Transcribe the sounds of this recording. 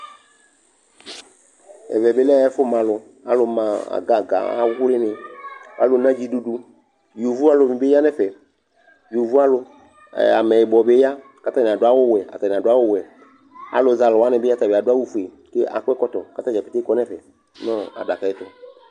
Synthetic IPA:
ɛ̰˨vɛ˨be˦lɛ˦ɛ˦fʊ˦mã˨lʊ˨ | a̰˨lʊ˨mã˨a̰˨ɡa˨ɡa̰˨a̰˨˦ʊ˦lɪ˦nɪ˨a̰˨˦lʊ˨˦nã˦d͡ʒi˦du˦du˦ | ju˨vu˦a˦lʊ˨mi˨be˦a˦nɛ˦fɛ˨ | ju˨vu˦a˦lʊ̰˧˨ | a˨mɛ˨jɪ˨bɔ˨be˦ja˦ | ka˦ta˦ni˨a˨dʊ˦a˦wʊ˦wɛ˨a̰˨ta˨ni˨a˨dʊ˨˦a˦wʊ˦wɛ˨ | a̰˨lʊ˨˦za˨lʊ˨wa˦nɪ˨bɪ˦a˦ta˨be˨a˨dʊ˦a˦wu˦fu˨e˨ | ke˦ʔa̰˨kʷɛ˦kɔ˦tɔ˨ka˦ta˦d͡ʒa˨pi˨te˦kɔ˦nɛ˦fɛ˨ | nɔ˦a̰˨da˨ka˨ɪ˦tʊ˦

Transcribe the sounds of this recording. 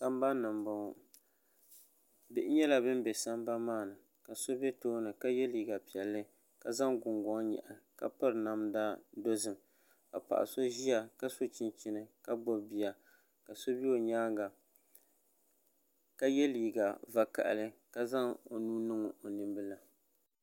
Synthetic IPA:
sa˦m˦ba˦nɨ˨mbɔ˨ | bɪ˦ʔɲɛ˦la˨bɨ˦mbɛ˨sa˦mba˦maː˦˨nɨ˨ | ka˨so˦bɛ˦toː˦nɨ˨ka˦jɛ˦liː˨ɡa˨pi˨ɛ˨lːɨ˦ | ka˨za˦ŋɡʊ˨ŋɡɔ˨˦ŋ˦ɲɛ̰˨ʔa˨ka̰˦pɨ˦ɾna˨mdaː˦do˦zɨ˨m | ka̰˨pa̰˨ʔa̰˨so˦ʒi˦a˨ka˦so˦t͡ʃi˦nt͡ʃɪ˦nɨ˨ka˦ɡ͡bɔ˦bi˨ja˨ | ka˨so˦bi˦o˨ɲaː˦ŋɡa˨ | ka˦jɛ˦liː˨ɡa˨va˨ka̰˨ʔa̰˨lɨ˦ka˦za˦ŋo̰˨nuː˦nɨ˦ŋo˨o˨nɨ˨mbɨ˦la˨

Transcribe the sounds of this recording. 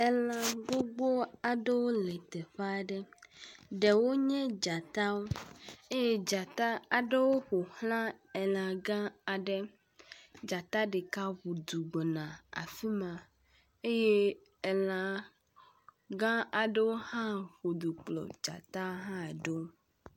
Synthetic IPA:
ɛ˦lã˨ɡ͡bo˦ɡ͡bo˦a˨ɖe˦wo˦lɛ˨t̪ɛ˨ɸa˦ɖɛ˦ | ɖɛ˨wo˦ɲɛ̃˦d͡ʒa˨t̪a˦wo˦e˦je˦d͡ʒa˨t̪a˦a˨ɖe˦wo˦ɸo˨hlã˦ɛ˨lã˨ɡã˦a˨ɖe˦ | d͡ʒa˨t̪a˦ɖe˨ka˦βu˨d̪u˨ɡ͡bɔ˨nã˨a̰˨fi˦mã˨ | e˦je˦ | ɛ˨la˨ | ɡã˦a˨ɖe˦wo˦hã˦ɸo˨d̪u˨k͡plɔ̰˨d͡ʒa̰˨t̪a˦ɦã˦˨ɖe˦wo˦

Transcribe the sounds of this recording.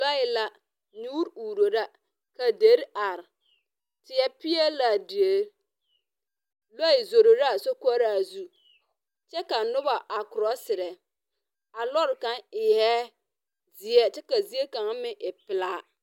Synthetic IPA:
lɔ˦ɪ˨la˦ | nu˦ɾuː˨ɾo˨ɾa˦ | ka˨de˨˦ɾa˨ɾ | tɪ˨jɛ˦pɪ˦ɛ˦la˨de˨˦ | lɔ˦ɪ˨zo˨ɾo˨ɾa˦˨so˦ka˦ɾa˨zu˦ | t͡ʃɛ˦ka˨nʊ˦ba˨ʔa˨kʊ˨ɾɔ˦sɪ˨ɾɛ˨ | a˨lɔ˦ɾka˦ŋɪ˨jɛ˦ | d͡zɪ˨ɛ˦tɪ˦ka˨zi˦e˦kã˨ŋ˦mɪ˦ʔɪ˨pɪ˨laː˦

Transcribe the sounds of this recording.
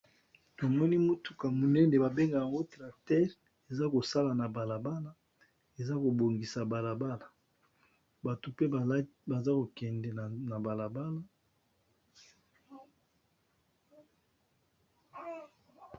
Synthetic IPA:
to˨mɔ˦ni˦mo˦tu̥˨ka˨mo˨nɛ˦nde˨ba˨be˦ŋɡa˨ja˨ŋɡo˦tʁa˨tɛ˦ʁ | e˨za˦ko˨sa˦la˨na˨ba˨la˨ba˦la˦ | e˨za˦ko˨bo˨ŋɡi˨sa˨ba˨la˨ba˦la˨ | ba˨to˨pe˦ba˨za˦ko˨kɛ˨ndɛ˨n˨na˨ba˨la˨ba˦la˦

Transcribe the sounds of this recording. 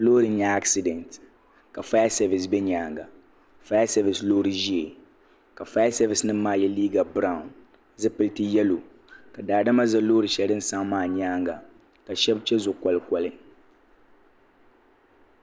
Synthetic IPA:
loː˦ɾɪ˨ɲa˦a˦ksi˨dɛ˨nt | ka˨fa˦ja˦sɛ˨vɪ˨sbɛ˦ɲaː˨˦ŋɡa˨ | fa˦ja˦sɛ˦vɪ˨slo˦ɾɨ˨ʒi˦e˨ | ka˨fa˦ja˦sɛ˦vɪ˨snɨ˦m̩˦maː˦˨jɛ˦liː˦ɡa˨bɾa˨ʊ˨n | zɨ˦pɨ˦ltɨ˦jɛ˦lo˨ | ka˨daː˨da˦ma˦za˦loː˦ɾɨ˨ʃɛ˦dɨ˦n̩˦˨sa˦ŋmaː˦˨ɲaː˦ŋɡa˨ | ka˨ʃɛ˦bt͡ʃɛ˦zʊ˨kɔ˨lɨ˨kɔ˨lɨ˦

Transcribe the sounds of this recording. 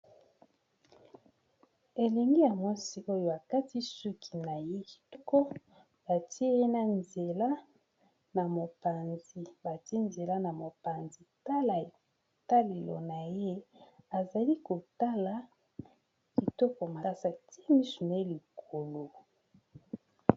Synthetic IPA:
e˨le˨ŋɡe˦ja˨mwa˦si˦ʔo˦jo˦a˨ka˦ti˦su˦kʰi˨na˨je˦ki˨tɔ˦kɔ˦ | b̥a˨ti˦e˦e˦na˦nze˨la˦ | na˨mo˨pa˨nzi˨ba˨ti˦e˦nze˨la˦na˨mo˨pa˨nzi˨ta˦la˨ | ta˦le˨lo̰˨na˨je˦a˨za˨li˦ko˨ta˦la˨ | ki˨tɔ˦kɔ˨ma˨˦˨sa˨ti˦e˦mi˦so˨na˨je˦li˨kʰo˨lo˨

